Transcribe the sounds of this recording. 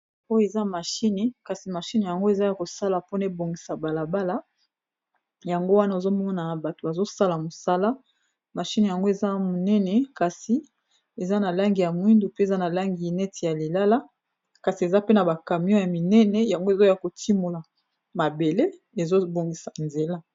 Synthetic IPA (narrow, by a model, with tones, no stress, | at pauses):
o˦jo˦e˨za˦ma˨ʃi˦nɛ˨ka˨si˨ma˨ʃi˦n˨ja˨ŋɡo˦e˨za˦ja˨ko˨sa˦la˨po˦na˨e˦bo˨ŋɡi˨sa˨ba˨la˨ba˦la˦ | ja˨ŋɡo˦wa˦na˦e˨zo˦mɔ˦ŋa˦na˨ba˨to˨ba˨zo˦sa˦la˨mo˨sa˦la˦ | ma˨ʃi˦n˨ja˨ŋɡo˦e˨za˦mo˨nɛ˦nɛ˨ka˨si˨ | e˨za˦na˨la˦ŋɡi˨ja˨mwi˦ndo˨pe˦e˨za˦na˨la˦ŋɡi˨nɛ˦ti˨ja˨li˨la˦la˦ | ka˨si˨e˨za˦pe˦na˨ba˨ka˨mi˦ɔ̃˦ja˨mi˨nɛ˦nɛ˨ja˨ŋɡo˦e˨zo˦ja˨ko˨tʰi˦mo˨la˨ | ma˨be˨le˦ | e˨zo˦bo˨ŋɡi˨sa˨nze˨la˦